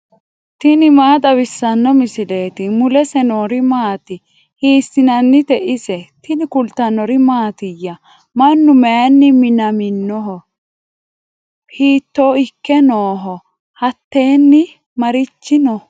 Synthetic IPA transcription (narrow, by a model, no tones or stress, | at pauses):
t̪ɪnɪmaːt̪ʼɐbɪsːɐnːɔmɪsɪle̞ːt̪ɪmʊlɛsɛnoːɾɪmaːt̪ɪ | hiːsːɪnɐnːɪt̪ɛʔɪsɛt̪ɪnɪkʊlt̪ːɐnːɔɾɪmaːt̪ɪjːɐ | mɐnːʊmɛjnːɪmɪnɐmɪnːɔɦɔ | hiːt̪ːoːɪkːɛnoːɦɔ | hɐt̪ːe̞ːnːɪ | mɐɾɪt͡ʃːɪnɔ